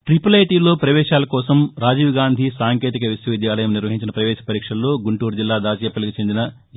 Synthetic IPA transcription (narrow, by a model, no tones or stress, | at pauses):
ʈɾipɐlejʈiːlo̞ːpɾɐʋɛːʃaːlɐkɔːsɐmɾaːd͡ʒiːʋɡaːnd̪ʱisaːŋke̞ːt̪̬ikɐʋisjɐʋid̪jaːlɐjɐmniɾʋɐɦiɲt͡ʃinɐpɾɐʋɛːʃɐ̥pɐɾiːkʂɐnlo̞ːɡuɳʈuːɾud͡ʒilːaːd̪aːt͡ʃjɐpːɐlikit͡ʃe̞nd̪inɐ